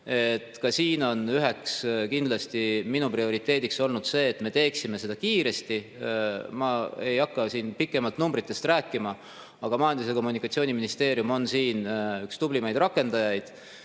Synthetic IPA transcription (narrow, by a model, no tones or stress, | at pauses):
e̞t̪kɑsiːno̞nyɦe̞kskind̪̥lɑst̪iminuprio̞ɾit̪ːˑe̞ːd̪ikso̞lnud̪̥se̞ːt̪ːme̞t̪e̞ːksime̞se̞d̪ɑkiːɾe̞st̪i | mɑe̞jɑkːɑsiːnpikːˑe̞mɑlt̪numbrit̪ːˑe̞st̪ræːkːˑimɑ | ɑɡ̥ɑmɑjɑnd̪is̬eko̞mːunikːˑɑt̪sio̞ːniminist̪e̞ːɾjumo̞nsiːnykst̪ublimɑjd̪̥rɑkːˑe̞nd̪̥ɑjɑjd̪̥